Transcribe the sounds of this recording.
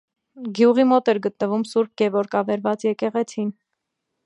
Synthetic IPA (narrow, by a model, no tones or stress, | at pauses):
ɡjuʁimɔt̪ɛɾɡət̪nəvumsuɾk̚ɡɛvɔɾkɑvɛɾvɑt͡sjɛkɛʁɛt͡sʰin